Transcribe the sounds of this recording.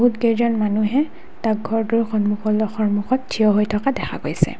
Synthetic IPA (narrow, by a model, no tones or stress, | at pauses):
bɦutɡejzɔnmanuɦɛ | tak̚ɡʱɔɹdɔɹxɔnmuxɔlɔxɔɹmuxɔttʰːijɔɦojtʰɔkadɛxʰa̰ɡojsɛ̰